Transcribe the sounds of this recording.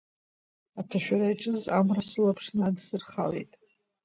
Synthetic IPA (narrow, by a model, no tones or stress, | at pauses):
atʰaʃᶣaɾajʈ͡ʂʼɨzamrasɨlapʰʂnadsɨrχa̰lḛjtʼ